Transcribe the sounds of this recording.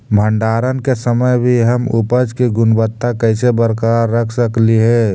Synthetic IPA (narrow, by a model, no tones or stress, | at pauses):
bʱəɳɖaːɾənkesəməjbʱiɦəmupəd͡ʒkiɡʊnbət̪ːakəɪsebəɾkaɾːəkʰsəkliɦɛː